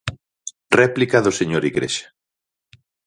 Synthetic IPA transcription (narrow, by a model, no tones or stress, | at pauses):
rɛplikaðʊseɲoɾiɣɾḛʃḁ